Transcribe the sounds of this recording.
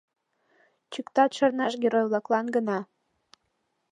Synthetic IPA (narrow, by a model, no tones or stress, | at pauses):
t͡ɕykt̪ɑt̪ʃərnɑʃɡeɾojβlɑklɑnɡənɑ